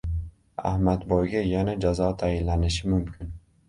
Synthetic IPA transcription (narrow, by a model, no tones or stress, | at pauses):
a̰hmat̪bɒjɡʲajanad͡ʒazɒt̪ʰajɪnlanɪʃɪmʊmkʲʰɪn